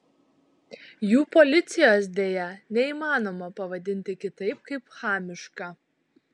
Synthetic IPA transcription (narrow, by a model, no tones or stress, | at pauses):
juːpɔlʲɪt̪sʲɪjoːsd̪ʲeːjɛnʲɛiːmɑːnoːmɐpɐʋɐd̪ʲɪnʲt̪ʲɪkʲɪt̪ɐɪp̚kɐɪpxɑːmʲɪʃkɐ